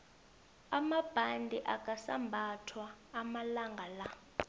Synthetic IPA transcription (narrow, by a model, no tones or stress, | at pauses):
amab̥ʱandʱiʔakʼasa̰mbʱatʰwaːmalaŋɡʱala